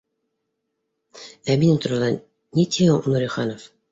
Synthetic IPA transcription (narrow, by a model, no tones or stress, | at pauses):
æminɘŋt̪ŏɾɑlˠɑ | nʲit̪ʲʰinuɾiχɑnof